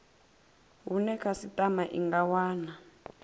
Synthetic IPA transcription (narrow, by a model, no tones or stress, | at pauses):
ɦunɛkʰasitʼamaʔiŋɡawaːna